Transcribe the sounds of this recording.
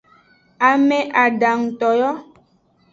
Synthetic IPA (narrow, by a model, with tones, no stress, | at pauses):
a˨me˨ʔa˨ɖa˨ŋ̩˨tɔ˨jɔ˦